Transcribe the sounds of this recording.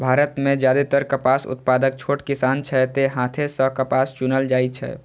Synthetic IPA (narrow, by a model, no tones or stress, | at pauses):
bʱaːɾət̪mẽd͡ʒjad̪et̪əɾkəpasṵt̪̚pad̪ək̚t͡ʃʰoʈkisant͡ʃʰɛt̪eɦãt̪ʰesə̃kəpast͡ʃunəld͡ʒaːit͡ʃʰɛ̰